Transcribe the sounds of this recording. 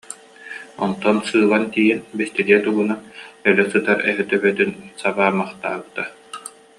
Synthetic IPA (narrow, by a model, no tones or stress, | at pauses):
ɔ̰nt̪ɔnsɯːlˠant̪iːɦɛnbist̪iliɛt̪uɡunanœlɛsɯt̪aɾɛ̰ɦɛt̪œbœt̪ynsabaːmaχt̪aːbɯt̪a